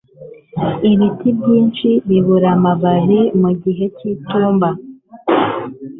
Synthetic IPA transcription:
iɾitibɟiːnt͡ʃiβiβuɾamaβaɦimuɟiɦe̞cituːmba

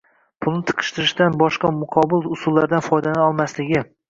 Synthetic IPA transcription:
pʰʊlˠnɪt̪ʰɨ̥qʰɨ̥ʃt̪ɪɾɪʃd̪anbɒʃqɑmʊqʰɒbɪlˠʊsʊlˠːaɾd̪anfɒjd̪anaɒlˠmaslɪɡʲɪ

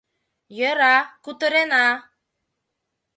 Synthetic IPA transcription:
jœɾakut̪əɾena

